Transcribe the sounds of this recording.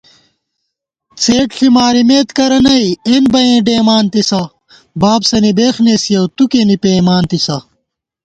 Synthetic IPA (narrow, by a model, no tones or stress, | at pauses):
t͡sʰeːʈɬimaːɾimeːt̪kɐɾɐnɐienbɐjẽːɖeːmaːnt̪isɐ | baːbsɐnibeːxneːsijɐwt̪ukenipeːmaːnt̪isɐ